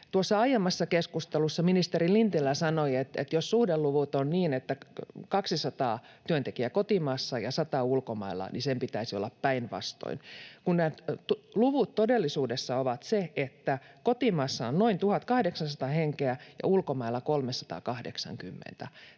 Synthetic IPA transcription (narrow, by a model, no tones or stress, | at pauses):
t̪uosːɑɑjemːɑsːɑkeskust̪elusːɑminist̪erilint̪ilːæsɑnoiet̪ḛt̪jossuhdelluʋut̪onniːnet̪ːækɑksisɑt̪ɑ̰ː | t̪yønt̪ekiækot̪imɑːsːɑjɑsɑt̪ɑulkomɑ̰ilːɑ̰nisempit̪æisio̰lːɑppæinʋɑ̰st̪o̰inkunnæːt̪luʋut̪t̪odelːisuːdesːɑoʋɑt̪seet̪ːækot̪imɑːsːɑonnoint̪uhɑt̪kɑhdeksɑnsɑt̪ɑheŋkeæjɑ̰ulkomɑilːɑkolmesɑ̥t̪ɑ̰ːkɑhdḛksɑ̰ŋkymːḛnt̪æ